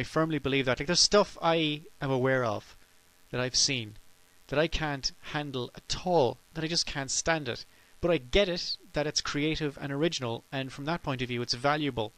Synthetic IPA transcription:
aɪfɜ̃˞mlibəlivðət̚laɪk̚ðəstʌfaɪɨ̃məwɛɹʌ̰v̥ | ðɨɾaɪv̥sĩn | ðɨɾaɪkʰæ̃nthæ̃ndˡl̩ˠətʰɔlˠðəɾaɪd͡ʒʌskʰæ̃ntstæ̃ndɪ̰t̚ | b̥ʌɾaɪɡɛɾɪt̪̚ðɨɾɨtskʰɹ̥ieɪɾɨvə̰̃ñə˞ɪd͡ʒɨnl̩ˠɨ̃nfɹʌ̃mðət̚pʰɔ̃ɪ̃ntʌvjʉɨtsvælˠjɨbəl̩ˠ

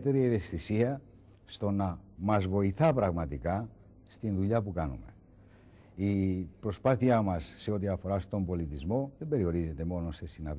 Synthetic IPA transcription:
t̪e̞ɾieve̞st̪isiɐ | st̪o̞nɐmɐzvo̞iθɐpɾɐɣmɐt̪ikɐ | st̪inðuʎɐpukɐnṵme̞̰ | ipɾo̞spɐθiɐmɐsːe̞o̞t̪iɐfo̞ɾɐst̪o̞mbo̞lit̪izmo̞ðe̞mbe̞ɾio̞ɾize̞t̪e̞mo̞no̞se̞sinɐv

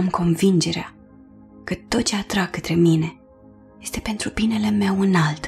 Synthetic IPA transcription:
mko̞nvind͡ʒe̞ɾea | kət̪o̞t̪̚t͡ʃeat̪ɾaɡ̚kət̪ɾe̞mine̞ | je̞st̪e̞pe̞nt̪ɾubine̞le̞me̞wɨnalt̪

